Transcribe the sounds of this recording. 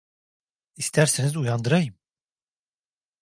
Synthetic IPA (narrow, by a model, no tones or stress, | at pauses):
ist̪ʰæɾsinizujand̪ɯɾajɯm